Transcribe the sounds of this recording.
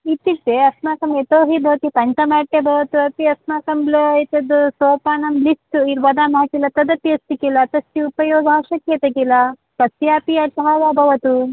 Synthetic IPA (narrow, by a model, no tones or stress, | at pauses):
it̪ːiʈ̪ːeɐsmaːkɐmet̪oːɦibʱɐʋɐt̪ipɐɲt͡ʃɐmaːɽʈ̪ebʱɐʋɐt̪uɐpiɐsmaːkɐmbloːɐjt̪ɐd̪usoːpaːnɐmblisʈuiɾʋɐd̪aːmɦakilːɐt̪ɐd̪ɐp̪ːiɐst̪ikilɐːt̪ɐst̪iupɐjoːɡaːʃɐkjet̪ɐkilɐ | kɐsjaːpiɐt͡ʃɐɦaːʋaːbʱɐʋɐt̪u